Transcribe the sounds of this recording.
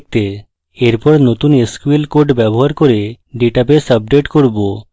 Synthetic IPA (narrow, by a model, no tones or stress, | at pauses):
k̚t̪e | eɾpɔɾnot̪uneskuelkoɖbɛbɔɦaɾkɔɾe | ɖeʈapesəb̚ɖeʈkoɾbo